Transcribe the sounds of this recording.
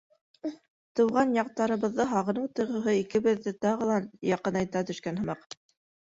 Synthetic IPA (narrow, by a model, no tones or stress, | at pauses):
t̪ɤ̆wʁɑnjɑq̚t̪ɑɾɤ̆βɤ̆ðːɤɦɑʁɤ̆nɤɴt̪ɤ̆jʁɤ̆ɦɤikɘ̆βɘ̆ðːɘt̪ɑʁɤ̆lˠɑjɑqɤ̆nɑjt̪ɑt̪ɵ̆ʃkænhɤ̆mɑq